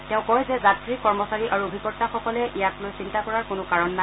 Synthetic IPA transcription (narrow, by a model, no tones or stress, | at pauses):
tɛʊ̃kɔjzɛzatɹikɔɹmɔsaɹiʔaɹuobʱikɔɹtaxɔkɔlɛʔijaklojsintakɔɹaɹkʊnʊkaɹɔnːa